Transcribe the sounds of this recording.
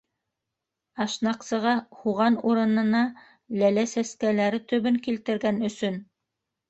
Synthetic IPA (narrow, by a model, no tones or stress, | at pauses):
ɑʃnɑqsɤ̆ʁɑhuʁɑnuɾɤ̆nɤ̆nɑ | lælæsæskælæɾɘt̪ɵ̆βɵŋkilt̪ɘ̆ɾɡænɵ̆sɵn